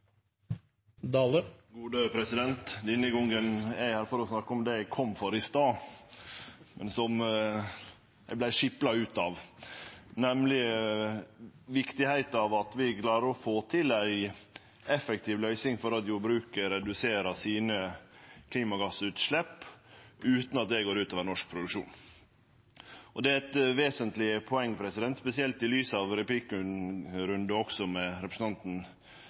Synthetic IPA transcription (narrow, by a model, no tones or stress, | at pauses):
d̪ɑləɡuːd̪əpʰɾɛsɪd̪ɛnt̪lɪnːəɡɔŋɡənæɪhæːɾfɔɾɔsnɑkːəɔmd̪ɛæɡkʰɔmːfɔɾɪst̪ɑː | mɛnsɔm | jæɪblæɪʂɪplɑʉːt̪ɑːʋ | nɛmlɪ | ʋɪkt̪ɪhæɪt̪ɑʋɑt̪ʋɪklɑːɾəɔfoːt̪ʰɪlæɪ | ɛfɛk̚t̪ʰiːʋlœʏsɪŋfɔɾɑt̪jʊbɾʉːkəɾɛd̪ʉseːɾɑsiːnəkʰliːmɑɡɑsʉːt̪ʂlɛpː | ʉːt̪nɑt̪̚d̪ɛɡoːɾʉːt̪oːʋənɔʂk̚pʰɾʊd̪ʉkʂṵːn | ʔɔd̪ɛæɾɛt̪ʋeːsənt̪lɪəpʰɔɛŋːpʰɾɛsɪd̪ɛnt̪spɛsɪɛlt̪ɪlyːsɑʋɾɛpliːkəɾʉnd̪əɔksɔmɛɾɛpɾəsn̩ɑnt̪n̩